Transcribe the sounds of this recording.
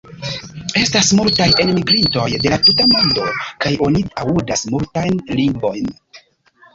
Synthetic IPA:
e̞stasmultaje̞nmiɡɾinto̞jde̞latutamo̞ndo̞kajo̞niaudasmultajnliŋɡvo̞jn

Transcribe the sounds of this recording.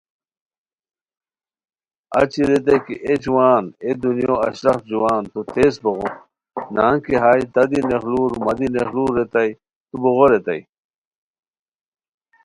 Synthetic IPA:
ɐ̰t͡ɕiɾet̪̬ɐjkḭʔed͡ʑuwaːned̪unjoːɐ̰ɕɾɐxt̪̚d͡ʑuwaːnt̪ut̪ʰeːsboɣo | naːŋkiɦaːjt̪ɐd̪inexluːɾumɐd̪inexluːɾet̪ɐj | t̪uboɣoɾet̪ɐj

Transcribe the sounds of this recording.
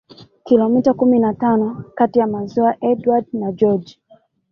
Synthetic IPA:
kilɔmitakuminatanɔkatijamazɔaʔɛdwadnad͡ʒɔd͡ʒ

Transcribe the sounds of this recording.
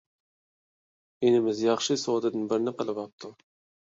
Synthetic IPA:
enɪmɪzjɑχʃɨsod̪ɨd̪ɪnbɪɾnɪqəlˠɪvɑp̚t̪ʰʊ

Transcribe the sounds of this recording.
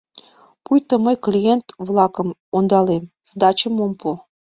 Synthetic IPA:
pujt̪ə̆məjklʲijent̪βlˠɑkə̆mond̪ɑlem | zd̪ɑt͡ɕəmompu

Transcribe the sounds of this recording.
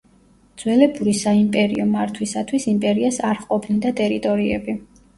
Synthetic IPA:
d̪z̥wɛlɛbuɾisaimpʼɛɾḭɔmaɾt̪ʰwisat̪ʰwisimpʼɛɾiasaɾχqʼɔpʰnind̪at̪ʼɛɾit̪ʼɔɾiɛ̰bi

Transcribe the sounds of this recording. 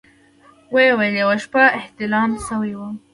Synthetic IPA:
wewedewaʃpaɪht̪ɪlɑmsawiwa

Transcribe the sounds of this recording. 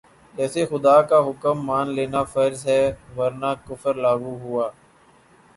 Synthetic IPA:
d͡ʒɛːseːxʊd̪aːkaːɦʊkəmːaːnleːnaːfəɾzɦɛːʋəɾnaːkʊfəɾlaːɡuːɦʊaː

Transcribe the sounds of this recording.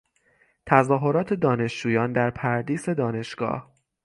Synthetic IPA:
t̪ʰæzɒːɦo̞ɾɒːt̪ʰe̞d̪ɒːne̞ʃd͡ʒuːjɒːnd̪æɾpʰæɾd̪iːse̞d̪ɒːne̞ʃɡ̥ɒ̰ːh

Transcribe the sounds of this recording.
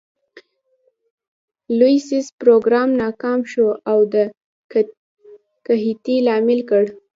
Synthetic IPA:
lujsizpɾoɡɾɑmnɑkɑmʃoawd̪ə | kaɦit̪ilɑmɪlkəɽ

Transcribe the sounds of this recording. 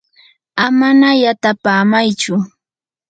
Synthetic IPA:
amanajat̪apaːmajt͡ʃʊ

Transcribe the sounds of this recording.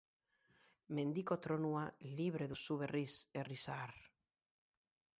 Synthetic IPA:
mẽnd̪ikot̪ɾonualiβɾeðusuβeriserisaɾ

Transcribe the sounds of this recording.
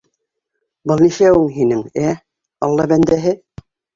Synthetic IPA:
bɤlˠniʃæwɘŋɦinɘŋæ | ɑlˠːɑbænd̪æɦɘ

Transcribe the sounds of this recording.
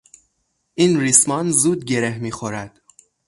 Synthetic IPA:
ʔinrismɒːnzuːd̪ɟe̞ɾehmiːxoɾæd̪̥

